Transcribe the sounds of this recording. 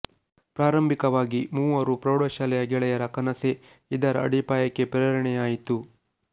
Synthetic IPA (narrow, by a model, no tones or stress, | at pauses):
pɾaːɾɐmbʱikɐʋaːɡimuːʋɐɾupɾɐːɽoʃaːlɛjɐɡɛɭɛjɐɾɐkɐnɐse | id̪ɐɾɐɐ̰ɽipaːjɐkːe̞pɾɐɾɐɳɛjaːjit̪u